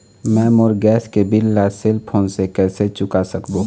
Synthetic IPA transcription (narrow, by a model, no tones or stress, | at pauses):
mɛ̃ːmoɾɡɛːskebɪlːaseːlpʰoːnsekɛːset͡ʃʊkasəkbo